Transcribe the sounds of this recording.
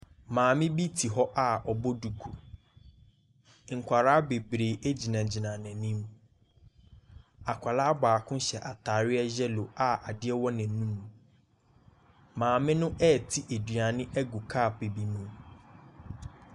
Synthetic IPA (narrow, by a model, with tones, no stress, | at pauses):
mãː˨mɪ̃˦bi˦tʰi˨ɦɔ˦ʔa˨ɔ˨bɔ˦du˨kʰu˨ | ŋ̩˨kʷʰa˨ɾaː˦be˨bɾe˨e˦d͡ʑi˨nã˨d͡ʑi˨nã˨nɛ̃˨nĩ˦m | a˨kʷʰa˨laː˦baː˨kʰʊ̃˦ɕɛ˨ʔa˨tʰaː˨ɾɪ˦ɛ˦ʑɛ˦lo˨a˨a˨dɪ˦ɛ˦wɔ˦nã˨˦nũ˦m̃˨ | mãː˨mɪ̃˦nʊ̃˦ʔɛ˦˨tʰi˦ʔe˨dɥa˨nɪ̃˦ʔɛ˦ɡu˨kʰa˦˨pe˨bi˦mũ˦m